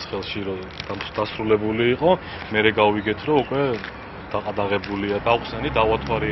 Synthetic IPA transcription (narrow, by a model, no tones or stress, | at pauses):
sχɛlˠʃiɾɔ | d̪̥amd̪asɾulɛbuliːqʼɔ | mɛɾɛɡawiɡɛt̪ʰɾɔukʼwɛ | d̪̥aqʼad̪aʁɛbuliad̪aχsɛnid̪avat̪ʰwaɾi